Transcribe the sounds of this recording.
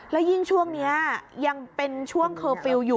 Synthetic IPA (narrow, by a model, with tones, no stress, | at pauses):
lɛː˦˥wji˥˩ŋt͡ɕʰu˥˩əŋni˦˥ɐja˧ŋpe˧nt͡ɕʰu˥˩əŋkʰɤː˧fi˧wjuː˨˩